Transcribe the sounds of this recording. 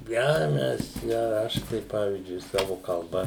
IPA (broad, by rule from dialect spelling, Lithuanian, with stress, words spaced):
ˈjɛʊ ˈmʲɛs jɛʊ ˈɐʃ tɐɪ ˈpɑːʋʲiːzʲd͡ʒʲʊɪ ˈsɑːʋʊ kɐlˠˈbɐ